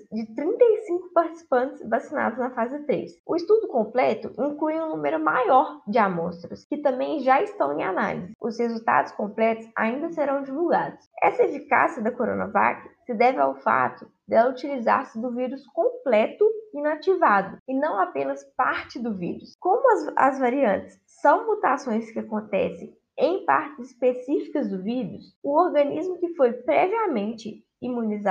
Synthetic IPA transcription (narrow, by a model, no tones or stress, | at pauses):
d͡ʒɪt̪ɾĩnt̪ɐjsĩŋkʊ̥paɾt͡ʃi̥si̥pɐ̃nt͡ʃɪ̥zbasina̰d̪ʊznɐfazɪt̪ɾḛsʊist̪ud̪ʊkõmplɛt̪ʊʔĩŋklujũnũmeɾʊmajɔɾd͡ʒɪamɔst̪ɾʊskɪt̪ɐ̃mbẽj̃ʒaist̪ɐ̃w̃ẽj̃ana̰lḭzɪʊshezuwt̪a̰d̪ʊskõmplɛt̪ʊsa̰ĩnd̪ɐseɾɐ̃w̃d͡ʒivuwɡa̰d̪ʊsɛsɐefika̰siɐd̪ɐkoɾõ̰nɐ̰va̰kɪ̥sɪd̪ɛvɪa̰wfa̰t̪ʊ | d̪ɛlɐut͡ʃiliza̰ɾsɪd̪ʊviɾʊskõmplɛt̪ʊinat͡ʃivad̪ʊɪnɐ̃w̃apẽnɐspaɾt͡ʃɪd̪ʊvḭɾʊskõmʊɐɐ̰zvaɾiɐ̃nt̪ɪ̥sːɐ̃w̃mut̪asõj̃skɪakõnt̪ɛsẽj̃ | ẽj̃pa̰ɾt̪ɪzɪspesifikɐzd̪ʊvid̪ʊs | ʊoɾɡɐ̃nizmʊkɪfojpɾɛviamẽnt͡ʃɪ | imũniza